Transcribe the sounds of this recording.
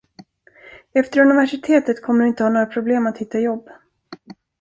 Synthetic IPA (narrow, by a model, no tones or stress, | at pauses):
ɛft̪əɾɵnɪvæʂɪt̪ʰeːt̪ət̪kʰɔmːəɖɪnt̪əhɑːnoːɾapʰɾʊbleːmat̪hɪt̪ːajɔbː